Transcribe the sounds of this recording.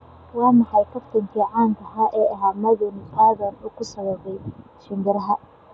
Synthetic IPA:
wɑːmɑħɑjk̪ʰɐft̪ʰɐŋkʰiːʕɑːnk̪ʰɐɦaʔɛːɐɦaːmɐðʊnɪtʰaːðɐnʊkʰʊsɐβɛðɛj | ʃɪŋɡɪɾɐɦɐ

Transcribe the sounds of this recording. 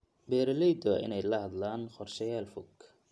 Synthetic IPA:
bɛːɾɐlɛjd̪ɔʔɪ̰nɛjlɐhɐd̪laːnχɔrʃɛjaːlfʊɡ

